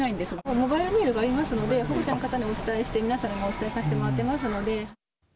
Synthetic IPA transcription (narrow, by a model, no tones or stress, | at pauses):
aĩnd̪e̞sɨomo̞baiɾɯ̟mʲiːɾɯ̟ɡaːɾʲimasɨno̞d̪e̞ɦobot͡ɕanokat̪aɲ̟io̞t͡sɨ̥t̪aeɕi̥t̪e̞mʲinasãɾɯ̃ŋio̞t͡sɨ̥t̪aesaɕi̥t̪emoɾat̪ːe̞masɨno̞d̪e̞